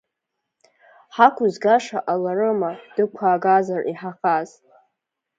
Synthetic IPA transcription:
ħakʷʰʊzɡaʂaʔalarɨmad̥ɨkʷʰaːɡazarʔiħaχaz

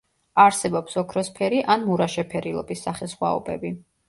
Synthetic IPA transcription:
aɾsɛbɔpsɔkʰɾɔspʰɛɾiʔanmuɾaʃɛpʰɛɾilˠɔ̰pʼisːaχɛsχwa̰ɔ̰bʼɛ̰bi

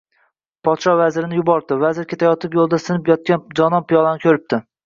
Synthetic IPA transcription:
pʰɒt̪ʃɒvazɪɾɪnɪjʊbɒɾd̪ɪvazɪɾkʲʰet̪ʰajɒt̪ʰɪpjolˠd̪asɪnɪpjɒt̪̚kʲand͡ʒɒnɒmpijɒlˠanɪkʲʰɵɾɪp̚t̪ʰɪ

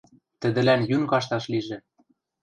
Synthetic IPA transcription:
t̪ɘ̆d̪ɘ̆lænjynkɑʃt̪ɑʃliʒĕ

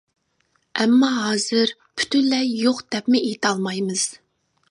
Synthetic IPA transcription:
ɛmːɑɦɑːz̥ɨɾ | pʰy̥t̪ynlɛjoqd̪̥ɛpmɪejt̪ɑlˠmɑjmɨz̥

